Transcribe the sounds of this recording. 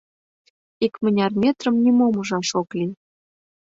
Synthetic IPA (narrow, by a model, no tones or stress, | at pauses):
ikmə̆nʲɑrmʲet̪rə̆mnʲimomə̆ʒɑʃokli